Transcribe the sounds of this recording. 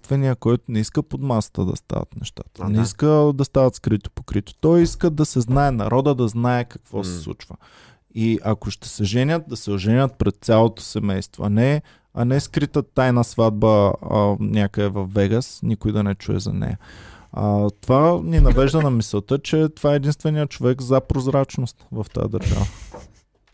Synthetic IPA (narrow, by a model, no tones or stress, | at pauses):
t̪vɛnijəkɔjt̪ʊnɛiskəpod̪masə̥t̪əd̪ɐ̰st̪a̰vɐ̰t̪nɛʃt̪a̰t̪ə̥nɛiskəd̪ɐst̪avɐt̪skɾit̪o̥po̥kɾit̪o̥t̪ɔjiskəd̪ɐsɛznaɛnɐ̰ɾɔd̪əd̪ɐznaɛkɐ̥kvɔsɛ̥slˠṵt͡ʃvə | iʔɐkoʃt̪ɛ̥sɛʒɛnʲət̪̚d̪ɐsɛoʒɛnʲət̪̚pɾɛt̪̚sʲalˠot̪o̥sɛmɛjst̪vo̰ɐnɛ | ɐ̰nɛskɾit̪ət̪ajnəsvad̪̚bə | nʲakəɛvɐfːɛɡəsnikʊjd̪ɐnɛt͡ʃuɛ̰zɐ̰nɛ̰jɐ | t̪ovaninɐvɛʒd̪ənɐmisɛlˠt̪ət͡ʃɛt̪ovaɛɛd̪inst̪vɛnijət͡ʃovɛkzɐpɾozɾat͡ʃnost̪vɐft̪a̰d̪ɐɾʒa̰və